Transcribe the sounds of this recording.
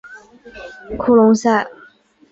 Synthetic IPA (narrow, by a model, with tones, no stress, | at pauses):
kʰu˥lʊ˧˥ŋsa˥˩ɪ